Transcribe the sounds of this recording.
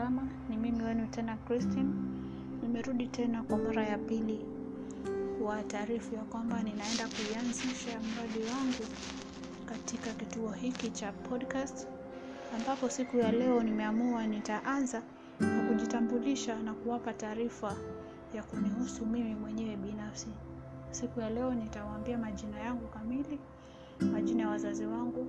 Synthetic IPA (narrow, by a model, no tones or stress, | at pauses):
ama | nimimiwɛnutɛnakɾistin | nimɛɾuɗitɛnakwamaɾajapili | wataːɾifujakwambaninaɛndakuianziʃam̩ɾaɗiwaŋɡu | katikakituɔhikit͡ʃapʰɔɗkast | ambapɔsikujalɛɔnimɛamuanitaʔanza | nakuʄitambuliʃanakuwapataːɾifa | jakunihusumimimwɛɲɛwɛɓinafsi | sikujalɛɔnitawaːmbiamaʄinajaŋɡukamili | maʄinajawazaziwaŋɡu